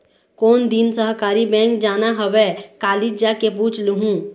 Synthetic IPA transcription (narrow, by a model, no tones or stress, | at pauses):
kond̪insəɦkaɾibɛ̃ŋkd͡ʒanaɦəʋekalid͡ʒakeput͡ʃʰluɦũ